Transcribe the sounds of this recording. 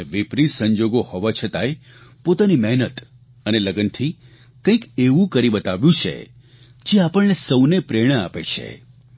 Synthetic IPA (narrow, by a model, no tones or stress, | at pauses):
ʋɪpɾisəɲd͡ʒoɡohoʋat͡ʃʰət̪aj | pot̪animɛɦnət̪ | əneləɡənt̪ʰi | kə̃ĩkeʋũkəɾibət̪aʋjũt͡ʃʰḛ | d͡ʒeapəɭnesəwnepɾeɽ̃əapet͡ʃʰḛ